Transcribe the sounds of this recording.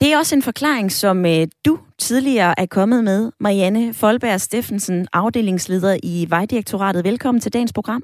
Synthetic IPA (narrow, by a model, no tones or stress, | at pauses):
d̥e̝æɐɒ̽səe̝nfɒ̽kʰlɑ̰̈ːeŋsɒ̽mød̥ut͡sʰiðˠliɐːʔæɐkʰɒ̽mð̞̩ˠmeð̞ˠmɑ̈iænəfɒ̽lb̥æɐ̰sd̥e̝fn̩sənʔɑ̈ʊd̥e̝̰ːle̝ŋsle̝ːð̞ˠɐʔiʋɑ̈ɪd̥iʁeɡ̥̚t͡sʰo̝ʁɑ̰̈ːd̥ð̩ˠʋelkʰɒ̽m̰n̩t͡sʰe̝ldɛ̰ːn̩spʰo̝ɡ̥ʁɑ̈m̰